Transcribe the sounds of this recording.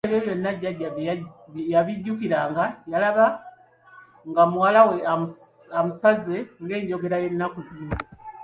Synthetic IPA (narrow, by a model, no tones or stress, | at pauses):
eβjeβjo̞nːaɟːaɟːa | jaβiɟːukiɾaːŋɡajalaβa | ŋɡamuwalawe | amusazeŋɡe̞ːɲɟo̞ɡe̞ɾaje̞nːakuzi